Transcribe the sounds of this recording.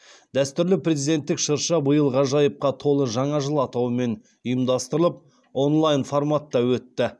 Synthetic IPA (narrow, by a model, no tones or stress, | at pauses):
d̪æst̪ʏɾlɪprʲe̞zid̪e̞nt̪ːɪkʃəɾʃɑbəjəlˠʁɑʒɑjəp̚qɑt̪ʰo̞lˠəʒɑɴɑʒəlˠɑt̪ɑwəme̞n | ʊjəmd̪ɑst̪əɾəlˠəp̚ | o̞nlˠajnfo̞rmat̪ːɑwɵt̪ːɪ